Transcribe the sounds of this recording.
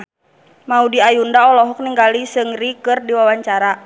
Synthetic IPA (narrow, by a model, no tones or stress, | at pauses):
maudiajundaɔlɔɦɔk̚niŋɡalisɨŋrikɨrdiwawaɲt͡ʃaɾa